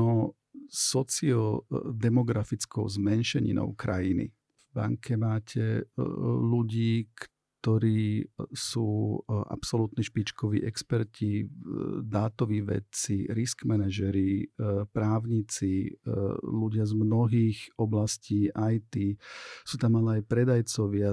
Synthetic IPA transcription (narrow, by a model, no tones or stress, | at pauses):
ɔ | sɔt͡siɔd̪ɛmɔɡɾafit͡skɔʊzmɛnʃɛɲḭnɔ̰ʊkɾa̰jinḭ | vba̰ŋkʰɛmaːcʰɛ | luɟiːk | t̪ɔɾiːsuːʔa̰psɔlut̪niʃpit͡ʃkɔʋḭːʔɛkspɛɾci | d̪aːt̪ɔʋiːʋɛ̰t͡siɾiskmɛnaʒɛɾipɾaːʊɲit͡si | luɟɪazmnɔɦiːxɔblasciːʔajt̪isuːt̪amalɛajpɾɛd̪ajt͡sɔʋɪa